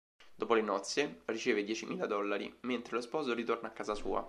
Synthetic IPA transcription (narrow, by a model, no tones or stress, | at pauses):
d̪̥oːpolenɔt̪sːjerit͡ʃeːved̪jɛt͡ʃimḭːlad̪ɔlːaɾḭment̪ɾelospɔːzoɾit̪ornaːkːaːzasṵːa̰